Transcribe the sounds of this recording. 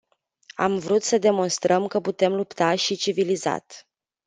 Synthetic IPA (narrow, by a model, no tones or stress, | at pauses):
a̰mvɾut̪səd̪e̞mo̞nst̪ɾəmkəput̪e̞mlupt̪aʃit͡ʃiviliza̰t̪